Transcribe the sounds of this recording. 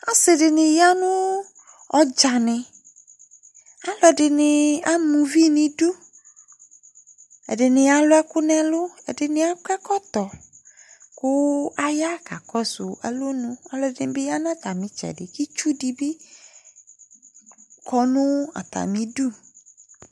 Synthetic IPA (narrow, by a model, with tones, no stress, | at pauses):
a˦sɪ˨ɖɪ˨nɪ̃˨ja˦nʊ̃˦ | ɔ˦d͡ʒa˨nɪ̃˨ | a˦lɔ˨ɛ˨dɪ˨nɪ̃˨a˦mũ˨vi˦nĩ˨du˦ | ɛ̰˨dɪ˨nɪ̃˨a˨lʊ˦ɛ˦kʊ˦nɛ̃˦lʊ˦ɛ̰˨dɪ˨nɪ̃˨a˦kɛ˦kɔ˦t̪ɔ˨ | kʊ˦a˦ja˦ka˨kɔ˦sʊ˨ʔɛ̰˦lo˦nʊ̃˦a˨lɔ˨dɪ˨n˨bɪ˦ja˦nã˦t̪a˨mɪ̃˨˦t͡ʃɛ̰˨dɪ˨ki˦t͡ʃu˦di˨bi˦ | kʰɔ˦nʊ̃˦a̰˨t̪a̰˨mĩ˨du˦